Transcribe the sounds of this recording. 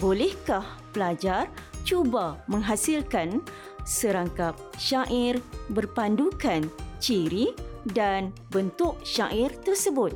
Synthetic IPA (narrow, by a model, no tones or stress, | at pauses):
bolɛhkah | pəlad͡ʒart͡ʃubamə̃ŋɦasilkan | səɾaŋkap̚ʃaʔɪrbərpandukant͡ʃiɾidanbənt̪ʊʔʃaʔɪrt̪ərsəbʊt̪̚